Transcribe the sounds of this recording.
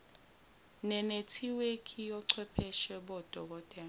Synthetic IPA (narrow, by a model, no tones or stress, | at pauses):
nɛnetʰiwekʰʼijɔǀʰwɛpʰɛʃɛɓɔd̥ʱɔk̬ɔd̥ʱʼɛːl